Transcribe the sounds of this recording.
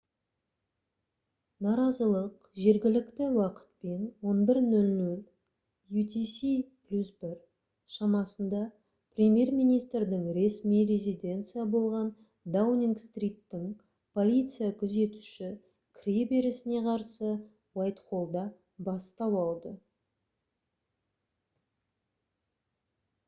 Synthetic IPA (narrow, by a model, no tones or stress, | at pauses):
nɑɾɑzəlˠəq | ʒe̞ɾɡʲɪlɪkt̪ɪwɑqə̥t̪̚pe̞nwo̞nbɪɾnɵlnɵlʲ | jut̪isiplʲusbɪɾ | ʃɑmɑsənd̪ɑ | prʲemʲje̞rmijnijst̪ɾd̪ɪŋɾe̞smijɾe̞zʲid̪ʲe̞nt̪sɨjabo̞lˠʁɑn | d̪awniŋɡst̪rʲijt̪ːɪŋ | pʰo̞lʲijt̪sɨjakʲʰʏze̞t̪uʃɪ | kʰʲɾʲebe̞ɾɪsɪne̞qʰɑɾsə | wajt̪χo̞lˠd̪ɑ | bɑst̪ɑwɑlˠd̪ə